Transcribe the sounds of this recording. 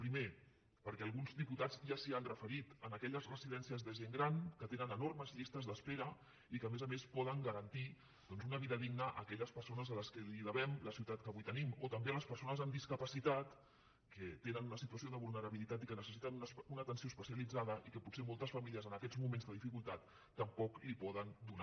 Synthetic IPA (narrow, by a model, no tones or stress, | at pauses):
pɾime | pəɾkɛəlˠɣunzðiput̪ad͡zʒasianrəfəɾit̪ənəkɛʎəzrəziðɛnsiəzðəʒeŋɡɾankət̪enənənorməzʎist̪əzðəspeɾə | ikəmezəmespɔðəŋɡəɾənt̪i | d̪ɔnzunəβ̞iðəðiɡnəʔə̰kɛʎəspəɾsonəzələskəliðəβɛmləsiwt̪at̪kəβujt̪ənimot̪əmbeələspəɾsonəzəmd̪iskəpəsit̪at̪ | kət̪enənunəsit̪uəsioðəβulˠnəɾəβilit̪at̪ikənəsəsit̪ənuunət̪ənsiospəsiəlid͡zaðəʔikəpusemɔlˠt̪əsfəmiliəzənəkɛd͡zmumẽnzðəðifikulˠt̪at̪ː | əmpɔklipɔðənd̪una